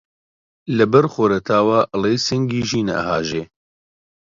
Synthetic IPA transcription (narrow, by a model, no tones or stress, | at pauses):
lɛbɛɾxoɾɛt̪ʰaːwaːʔɨlejsɨŋɡiːʒiːna̰ə̰ha̰ːʒeː